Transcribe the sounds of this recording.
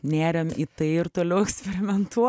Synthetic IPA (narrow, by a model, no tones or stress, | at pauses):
nʲæːɾʲɛmit̪ɐɪɪɾt̪oːlʲɛʊɛksʲpʲɛɾʲɪmʲɛnt̪uɔ